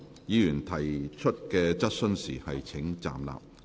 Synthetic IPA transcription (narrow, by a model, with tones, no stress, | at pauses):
jiː˨˧jyː˨˩nt̪ʰɐ˨˩jt͡ʃʰɵ˥t̚kɛː˧t͡sɐ˥t̚sɵ˥nsiː˨˩hɐ˨jt͡sʰɪ˨˥ŋt͡sa̰ː˨mla̰ː˨p̚